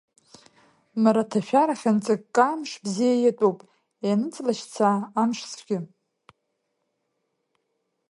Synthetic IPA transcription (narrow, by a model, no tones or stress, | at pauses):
maɾatʰaʃᶣaɾaχʲant͡sʼɨkʼkʼːamʂbzijajatʼupʼ | janɨt͡sʼlaʃt͡sʰaːmʂt͡sʰʼɡʲɪ